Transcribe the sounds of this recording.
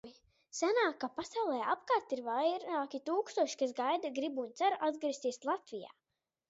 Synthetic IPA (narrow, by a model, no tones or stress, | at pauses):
sanaːkapasawlˠɛːapkaɾt̪iɾvajɾaːkʲit̪uːkst̪uɔʃi̥kas̬ɡajd̪aɡɾibunt̪saɾʔad̪ɡɾist̪iɛslˠat̪vija̰ː